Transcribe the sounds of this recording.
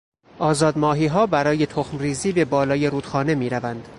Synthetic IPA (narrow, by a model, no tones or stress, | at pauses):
ʔɒːzɒːd̪mɒːɦiːɦɒːbæɾɒːje̞t̪ʰoxmriːziːbe̞bɒːlɒːje̞ɾuːd̪xɒːne̞miːɾævænd̪̥